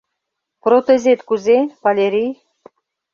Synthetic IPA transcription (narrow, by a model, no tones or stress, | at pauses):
pɾot̪ezʲet̪kuzepalʲeɾʲij